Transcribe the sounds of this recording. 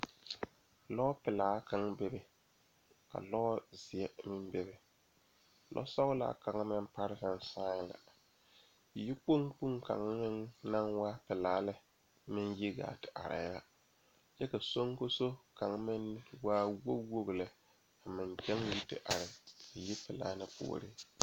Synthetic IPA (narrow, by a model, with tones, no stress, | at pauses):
lɔ˦pɪ˨laː˨˦kʰa˨ŋbe˦bɪ˦ | ka̰˨lɔ˦zɪ˨ɛ˦mɪ˦n˦be˦bɪ˦ | lʔɔ̰˦sɔ˦ɣla̰˨˦˨ka˨ŋ˦mɪ˦n˦pa˦ɾɪ˦ka˨n˦saː˦ɲ˦˨la̰˨ | jɪ˦k͡po˦ŋk͡pu˦ŋka̰˨ŋ˦mɪ˦nna˦ŋwaː˦pɪ˨laː˨˦lɪ˦ | mɪ˦nji˦ɡa̰ː˨tɪ̥˨ʔa˨ɾɪ̰˨˦la̰˨ | t͡ʃɛ˦ka˨so˦ŋko˦so˦ka˨ŋ˦mɪ˦n˦waː˦wo˦wo˦ɣlɛ˨ | mɪ˨nd͡ʒɛ˦ŋji˦tɪ̰˨ʔa˨ɾɪ˨jɪ˦pɪ˨la̰ː˨˦nɪ˦pṵ˦˨ɾɪ˦